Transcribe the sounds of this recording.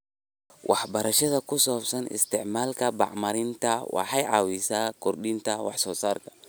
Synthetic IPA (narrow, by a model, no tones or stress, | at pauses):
wʔɑ̰ħbɐɾɐʃɐðɐkʰʊsɔːbsɐnɪ̰st̪ɪʕmaːlkʰɐbɑ̰ʕmɐɾɪnt̪ʰɐwɑ̰ħɑjʕɑ̰wisaːkʰɔrɗɪnt̪ʰɐwɑħsɔːsaːrkʰɐ̥